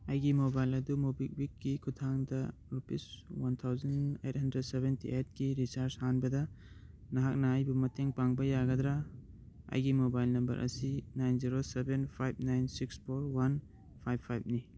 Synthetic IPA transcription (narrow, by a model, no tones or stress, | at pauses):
ajɡimobajlɐdumubik̚wikːikʰutʰaŋdɐɾupiswant̪ʰawzɐnejt̚hɐndɾed̚sebentḭʔet̚ɡiɾisaɾshanbɐdɐ | nɐɦak̚nɐajbumɐtʰeŋpaŋbɐjaɡɐd̪ɾa | a̰jɡimobajlnɐmbɐ̰ɾʔɐ̰sinajnziɾosebenpʰajb̚najnsikspʰoɾwan | pʰajbʰːajb̚ni